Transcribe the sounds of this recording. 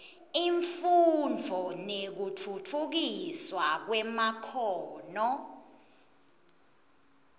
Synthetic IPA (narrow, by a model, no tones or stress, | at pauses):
iɱfund͡vʱɔnek̬utʰutʰuk̬iswak̬wɛmakʰɔːnɔ